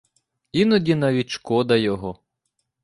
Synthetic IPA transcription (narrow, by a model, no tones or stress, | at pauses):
inɔdʲinɐʋʲitʲʃkɔd̪ɐjɔɦɔ